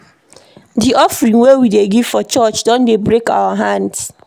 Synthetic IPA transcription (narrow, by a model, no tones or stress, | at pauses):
diʔɔfɹĩnwewideɡiv̥fɔt͡ʃɔt͡ʃdɔ̃ndebɹeka̰waɦãnds